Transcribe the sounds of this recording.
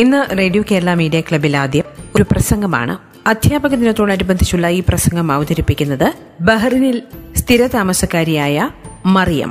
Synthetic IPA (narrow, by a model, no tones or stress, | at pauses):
inːɨreːɖijoke̞ːɾɐɭaːmiːɖijɐkɭɐbilaːd̪ʱjɐmo̞ɾuprɐsɐŋɡɐma̰ːɳɨ̰ | ɐd̪ʱjaːbɐɣɐt̪ːinɐt̪ːoːɳːɐɾibɐnd̪ʱit͡ɕːuɭːɐiːprɐsɐŋɡʱɐmɐːʋɐd̪ɐɾipːikʲːunːɐðɨ | bɐɦɐrinilst̪ʰiɾɐt̪aːmɐsɐkːaːɾijaːjɐmɐrijɐ̰m